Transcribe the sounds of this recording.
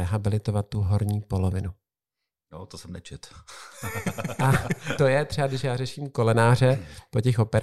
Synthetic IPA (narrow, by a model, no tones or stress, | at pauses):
ɛɦabɪlɪt̪ovat̪ːuɦoɾɲiːpo̞lovɪnu | no̰t̪osɛmnɛt͡ʃɛt̪ | ʔat̪o̞jɛt̪r̥ɛbaɡdɪʃjaːrɛʃiːmko̞lɛnaːr̝ɛpo̞cɛxʔo̞pɛɾ